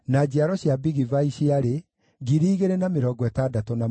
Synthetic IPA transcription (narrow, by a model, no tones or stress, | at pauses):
nad͡ʑiaɾɔɕjabiɣivaiɕiaɾe | ɡiɾiːɣeɾenameɾɔːɡwɛtaːdatɔna